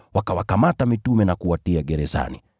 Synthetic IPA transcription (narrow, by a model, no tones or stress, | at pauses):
wakawakamatamitumɛnakuatiaɡɛɾɛza̰nḭ